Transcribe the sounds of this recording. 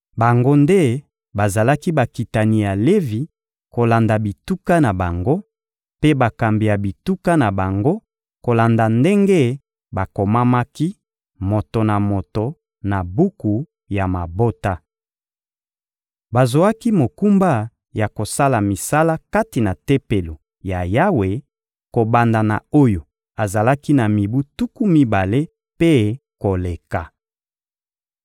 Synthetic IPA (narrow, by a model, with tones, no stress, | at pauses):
ba˨ŋɡo˦nde˦ | ba˨za˨la˦ki˦ba˨ki˨ta˨ni˨ja˨le˦vi˨ | ko˨la˨nda˨bi˨tu˦ka˦na˨ba˨ŋɡo˦ | pe˦ba˨ka˨mbi˨ja˨bi˨tu˦ka˦na˨ba˨ŋɡo˦ | ko˨la˨nda˨nde˦ŋɡe˦ | ba˨ko˨ma˦ma˦ki˦ | mo˨to˨na˨mo˨to˨ | na˨bu˦ku˨ | ja˨ma˨bo˦ta˦ | ba˨zo˨a˦ki˦mo˨ku˦mba˦ | ja˨ko˨sa˦la˨mi˨sa˦la˦ka˦ti˨na˨te˦pe˨lo˨ | ja˨ja˦we˨ | ko˨ba˨nda˨na̰˨o˦jo˨ | a˨za˨la˦ki˦na˨mi˨bu˦tu˦ku˦mi˦ba˨le˦ | pe˦ko˨le˨ka˨